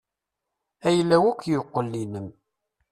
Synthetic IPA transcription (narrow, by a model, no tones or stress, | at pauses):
æjəlːæwækʷːjoqːəlːinəm